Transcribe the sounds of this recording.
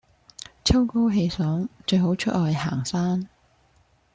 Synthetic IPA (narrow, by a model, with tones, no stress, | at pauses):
t͡sʰɐ˥wko˥wɦe˧jsɔː˨˥ŋt͡ʃɵ˧ɥɦo˨˥wt͡ʃʰɵ˥t̚lɔː˧jha̰ː˨˩ŋsaː˥n